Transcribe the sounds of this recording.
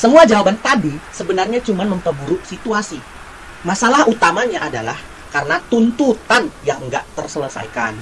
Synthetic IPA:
səmuad͡ʒawabant̪adisəbənarɲat͡ʃumanməmpəbuɾʊk̚sit̪uasi | masalahut̪amaɲaʔada̰la̰h | kaɾənat̪unt̪ut̪anjaŋəŋɡa̰ʔt̪ərsələsa̰jka̰n

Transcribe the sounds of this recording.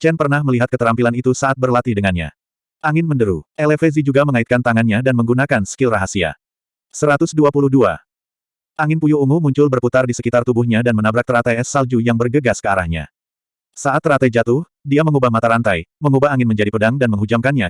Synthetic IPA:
t͡ʃɛnpərnahməliɦat̪̚kət̪əɾampilanit̪usaat̪̚bərlat̪idəŋanɲa̰ | ʔaŋɪnməndəɾuʔɛlefɛzid͡ʒuɡaməŋait̪̚kant̪aŋanɲadanməŋɡunakansə̥kɪlraɦasia̰ | səɾat̪ʊsduapuluhdua̰ | ʔaŋɪnpujuumʊmuɲt͡ʃʊlbərput̪ardisəkit̪art̪ubʊhɲadanmənabɾak̚t̪əɾat̪ajɛsːald͡ʒujaŋbərɡəɡaskəaɾahɲa̰ | saʔat̪ːɾat̪ajd͡ʒat̪ʊh | diaməŋubahmat̪aɾant̪ajməŋubaɦaŋɪnməɲd͡ʒadipədaŋdanməŋɦud͡ʒamkanɲa

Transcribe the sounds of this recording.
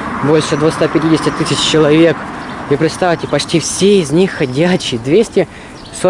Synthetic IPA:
bo̞lʲʂɨd̪vʊxst̪apʲɪtʲidʲɪsʲtʲɪt̪ɨsʲɪt͡ɕt͡ɕɪlˠɐvʲe̞kipɾʲɪt̪st̪afʲtʲɪpɐt͡ɕtʲifsʲeɪzʲnʲixːɐdʲæt͡ɕːɪjd̪vʲesʲtʲɪ | so

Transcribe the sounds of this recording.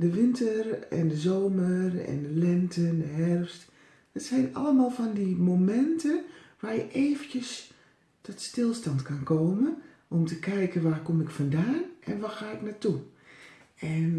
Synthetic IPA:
dəʋɪntərɛ̰ndəzoːmərɛ̰ndəlɛntəndəɦɛrfst | dətsɛjna̰ləmaːlˠfɔndimomɛntəʋaːrjəʔeːvəntjəs | tɔtstɪlˠstantkankʰoːmən | ʔɔmtəkɛjkənʋaːkomɪkfɔndaːnʔɛnʋaxaːɪknatu | ɛn

